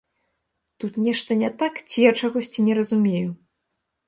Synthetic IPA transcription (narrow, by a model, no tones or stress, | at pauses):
t̪ut̪nʲɛʂt̪ɐnʲɛt̪akt͡sʲijat͡ʂaɣɔsʲt͡sʲinʲɛɾɐzumʲeju